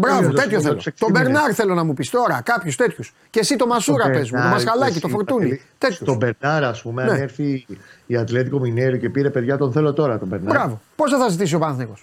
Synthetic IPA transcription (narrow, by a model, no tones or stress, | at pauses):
bɾɐvot̪e̞t̪çoθelot̪o̞be̞ɾnɐɾθe̞lo̞nɐmupist̪o̞ɾɐkɐpçust̪e̞t̪çus | ce̞sit̪o̞mɐsuɾɐpe̞zmut̪mɐsxɐlɐcit̪o̞foɾt̪unit̪e̞t̪çut̪obeɾnɐɾɐspumeneeɾθiːat̪le̞t̪̬ikomineɾice̞piɾe̞pe̞ðʝɐt̪o̞nθe̞lo̞t̪o̞ɾɐt̪o̞beɾnbɾɐvo̞po̞sθɐθɐzit̪is̬io̞pɐnθneɣo̞s